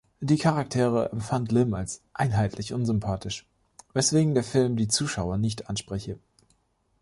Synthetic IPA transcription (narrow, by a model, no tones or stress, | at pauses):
d̥iːkʰaʁak̚tʰeːʁəɛmfantlɪmalsʔaɪnɦaɪtʰlɪçʔʊnzʏmpʰaːtʰɪʃ | vɛsv̥eːɡŋ̩deːɐfɪlmdiːt͡suːʃaʊɐnɪçtʔanʃpʁ̥ɛçə